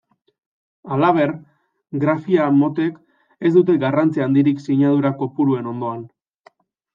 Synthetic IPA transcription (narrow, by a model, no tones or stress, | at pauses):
alaβ̞e̞r | ɡɾafiamo̞t̪e̞k | e̞zd̪ut̪̬e̞ɡarant͡siaːnd̪iɾiksiɲað̞uɾako̞puɾue̞no̞nd̪o̞an